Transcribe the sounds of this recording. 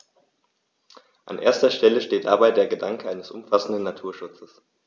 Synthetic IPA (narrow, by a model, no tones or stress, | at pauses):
ʔa̰nʔeːɐstɐʃtɛləʃteːt̚d̥a̰baɪdeːɐɡədaŋkəʔaɪnəsʔʊmfasn̩dənːatʰuːɐʃʊt͡səs